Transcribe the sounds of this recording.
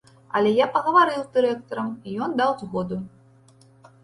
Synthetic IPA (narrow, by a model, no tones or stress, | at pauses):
ɐ̰lʲɛjapɐɣɐvaɾɨwzd̪ɨɾɛkt̪ɐɾɐmijɔnd̪awzɣɔd̪u